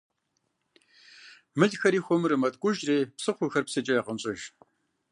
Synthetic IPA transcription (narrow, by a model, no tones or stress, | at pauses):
mɨɮxɐɾiːxʷɔmɨɾɨmɐtʼkʷʼʊʒreːpsɨχʷʊxɐrpsɨt͡ʃʼɐjɐqəmɕʼɐʒ